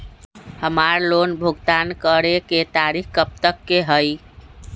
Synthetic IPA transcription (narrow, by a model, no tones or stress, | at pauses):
həmaɾlonbʱuɡt̪ankəɾeket̪aɾikkəp̚t̪əkːeɦəj